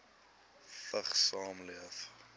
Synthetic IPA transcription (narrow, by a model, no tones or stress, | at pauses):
fəχsɑːmliəf